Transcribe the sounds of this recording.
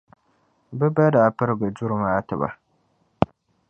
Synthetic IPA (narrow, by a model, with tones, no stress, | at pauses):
bɛ˦ba˦daː˨pɨ˦ɾɨ˦bɨ˨d͡ʒʊ˦ɾɨ˨maː˦tɨ˨ba̰˨